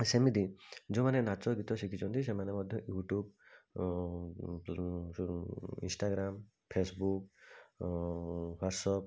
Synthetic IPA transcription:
sɛmid̪izumanɛnat͡ʃɔɡitɔsikʰisɔnt̪isɛmanɛmɔd̪ʱjɔjuʈub | ḭnsʈaɡɾam | pʰesbuk̚ | bɔsɔp̚

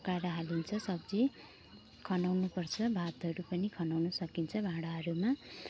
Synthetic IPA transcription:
kaɾʌɦalint͡sʰʌsʌbd͡zi | kʰʌnawnupʌrt͡sʰʌbʱat̪ɦʌɾupʌnikʰʌnawnʌsʌkint͡sʰʌbʱãɽaɦʌɾuma

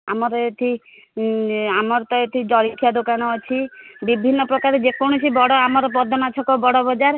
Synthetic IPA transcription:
amɔɾɔet̪ʰi | amɔɾɔt̪ɔet̪ʰid͡ʒɔɽikʰːjad̪okanɔːt͡ʃʰibibʱinːɔpɾɔkaɾed͡ʒekɔɽ̃ɔt͡ʃʰibɔɽɔamɔɾɔpɔd̪ʱɔmat͡ʃʰɔkɔbɔɽɔbɔd͡ʒaɾ

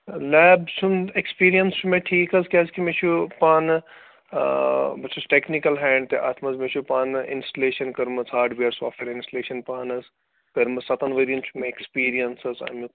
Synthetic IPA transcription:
lɛːbsunekspiːɾijɐnst͡ʃʰumeʈʰiːkɐskʲeskimet͡ʃʰupaːn | bɐt͡ʃʰɐsʈeknikɐlɦɛːɳɖt̪eʔɐt̪ʰmɐzmet͡ʃʰupaːnḭnsʈɐleːʃɐnkɐɾmɐsaːʈʰbiɐɾsa̰ːfʈeːɾinsʈɐleːʃɐnpaːnɐs | kɐɾmɐsɐt̪ɐnʋɐɾijɐnt͡ʃʰumẽekspiːɾijɐnsɐsa̰mu

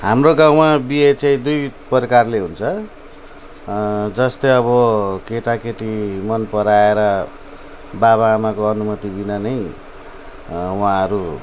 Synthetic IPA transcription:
ɦamroɡãw̃mabiet͡saĩd̪ujpʌɾikarleɦunt͡sʰʌ | d͡zʌst̪ʌjʌβʌkeʈakeʈimʌnpʌɾaeɾʌ | baβaːmakoʌnumʌt̪ibinʌnʌj | wãʌɾu

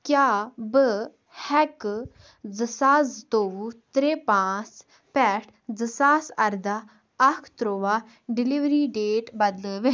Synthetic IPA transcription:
kjaːbə | hɛk | d͡zəsaːzt̪oːut̪ɾepãːt͡s | pɛʈʰ | d͡zəsaːsɐɾd̪a | ɐkʰt̪ɾoːʋaː | ɖɪliʋɾiɖeːʈbɐd̪ləʋe

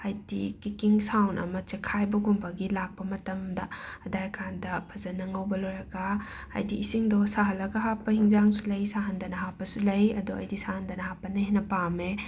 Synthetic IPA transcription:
ajdikikiŋsawnʔɐ̰mɐt͡ʃekʰajbɐɡumbɐɡilak̚pɐmɐtɐmdɐɐdajkʰandɐpʰɐzɐnɐŋɐwbɐloɾɐɡa̰ː | jdiːsiŋdɔsaɦɐlɐɡɐɦapːɐhiŋzaŋsulɐjsaɦɐndɐnɐɦapːɐsulɐjɐduɐ̰jdisahɐndɐnɐɦapːɐnɐhenɐpame

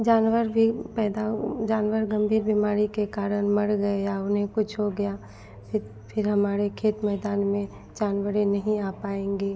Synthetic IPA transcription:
d͡ʒaːnwəɾbʱipɛːd̪ad͡ʒaːnwəɾɡɐ̃mbʱiːɾbimaːɾikekaːɾəɽ̃mɐɽɡɐeaʊnɦẽkʊt͡ʃʰɦoɡɐjaː | pʰɪ | pʰɪɾɦɐmaːɾekʰeːt̪mɛːd̪aːnmẽ | d͡ʒaːnwəɾenɐɦĩapaːẽːŋɡeː

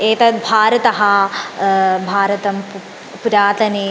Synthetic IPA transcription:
eːt̪ɐbʱaːɾɐt̪ɐɦɐ | bʱaːɾɐt̪ɐm | puɾaːt̪ɐni

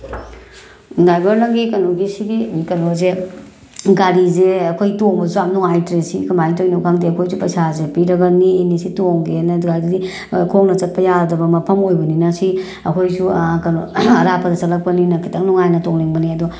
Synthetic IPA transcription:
dajbɐɾnɐɡikɐnoɡisiɡikɐnoze | ɡaɾizeɐkʰojtoŋbɐzuamnɔŋajtɾesḭkɐmajtojnokʰaŋdiɐkʰojsupɐjsazepiɾɐɡɐniinisitoŋɡenɐɡaɾidɐdi | kʰoŋnɐt͡ʃɐt̚pɐjadɐbɐmɐpʰɐmojbɐninɐsi | ɐkʰojsukɐnoɐɾapʰɐdɐt͡ʃɐtlɐk̚pɐninɐkʰitʰɐŋnɔŋajnɐtoŋleŋbɐniɐdu

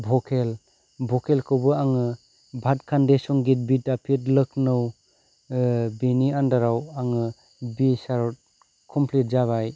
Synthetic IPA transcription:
bʱɔkʰel | bʱɔkʰelkʰɯwbɯaŋɯ | bʱat̚kʰandesɔŋɡit̚bitapʰit̚lɯk̚nɯw | biniandaɾawaŋɯ | bisaɾɔt̚ | kʰɔmpʰlit̚zaβaj

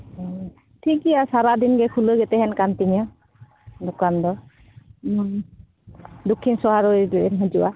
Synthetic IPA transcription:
tʰikiasaɾadinɡɛkʰulojɡɛtɛɦɛnkantiɲiɔ | dɔkandɔ | dokʰːinsɔɦaɹojɦzuwa

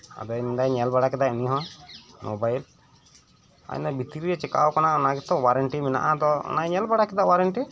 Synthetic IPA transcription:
a̰d̪ɔjmid̪ajɲɛlbaɽakɛd̪aʔuniɦɔ̃mobajl | a̰nd̪abit̪iɾiɾɛt͡ʃɛka̰wkanaɔnaɡɛt̪ɔwaɾɛɳʈimɛna̰ʔad̪ɔɔ̰najɲɛlbaɽakɛd̪aʔwaɾɛɳʈi

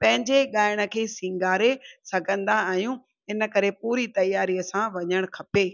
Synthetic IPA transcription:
pɐ̃ɦɪ̃ɲd͡ʑeɠaːɪɽ̃ə̆kʰeːsɪ̃ŋɡaːɾesɐɡʱə̃nd̪aːɦjũ | ɪnə̆kɐɾepuːɾit̪ɐjaːɾiəsãʋɐɲəɽ̃kʰɐpeː

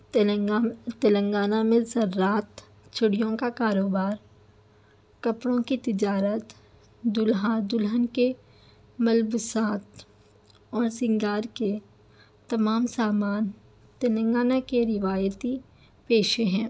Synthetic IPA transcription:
t̪ɐlə̃ŋɡaːnamẽzɐɾːaːt̪ | t͡ʃʰʊɽijõkakaːɾoːbaːɾ | kɐpɽõkit̪ɪd͡ʒaːɾət̪ | d̪ʊlɦad̪ʊlɦənke | mɐlbʊsaːt̪ | ɔːɾsɪ̃ŋɡaːɾke | t̪ɐmaːmsaːmaːn | t̪ɐlə̃ŋɡaːnakeɾɪʋaːjət̪i | peːʃeɦɛ̃ː

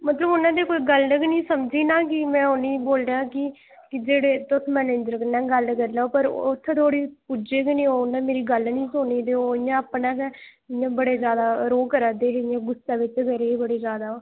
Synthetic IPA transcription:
mət̪ləbʊnãːd̪eːkoːiːɡəlnəknĩːsəmd͡ʒiːnaːkɪmɛ̃ːʊnĩːboːldãːkɪ | kɪd͡ʒeːɽeːt̪ʊsʰmɛːneːd͡ʒəɾkənɛ̃ːɡəlkəɾlaopəɾʊt̪ʰːt̪ʰoːɽiːpud͡ʒeːkɪnĩːoːʊnãːmeːɾiːɡəlnĩːsoniːd̪eːoːɪjãːəpnaːkɛ̃ | ɪjãːbəɽeːd͡ʒjaːd̪aːɾoːkəɾaːd̪eːɦjãːɡʊsaːʋɪt͡ʃkəɾeːibəɽeːd͡ʒjaːd̪aːoː

